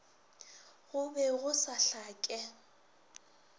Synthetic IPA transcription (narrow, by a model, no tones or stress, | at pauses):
ɣʊbɛɣʊsaɬaːkʼɛ